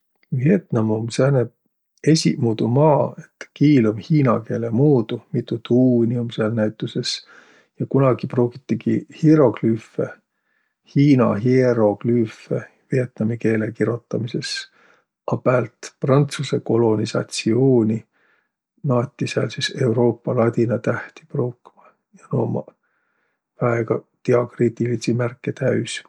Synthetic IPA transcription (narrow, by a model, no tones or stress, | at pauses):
vie̞t̪nɑmumsæːneb̚ | e̞sʲḭmuːd̪umɑːe̞t̪ːkiːlomhiːnɑke̞ːlemuːd̪̥umit̪ːˑut̪ʰuːniumselnæjt̪ːˑuse̞s | jɑkunɑɡ̥iproːɡit̪ːikihiɾo̞ɡlyfe | hiːnɑ̰ɦiɾo̞klyfe | vie̞t̪nɑmike̞ːlekiɾo̞t̪ːˑɑmise̞s | ʔɑpæːlt̪prɑnt̪suse̞ko̞lo̞nisɑ̰t̪sioːnʲi | nɑːt̪ʲːˑisɑlsise̞wɾo̞ːpːɑlɑt̪ʲinɑt̪æht̪i̥prowkːmɑ | jɑnoːmɑ̰ | væeɡ̥ɑt̪iɑkrit̪ˑilisimærkˑːet̪æys